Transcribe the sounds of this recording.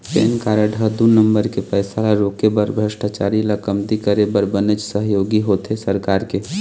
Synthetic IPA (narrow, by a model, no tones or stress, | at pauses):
pḛːnkaːɾəɖʱəd̪unəmbəɾkepɛːsalaɾoːkebəɾbʱɾəʃʈat͡ʃaːɾilakəmt̪ikəɾebəɾbənet͡ʃsəɦjoːɡiɦot̪esəɾkaːɾke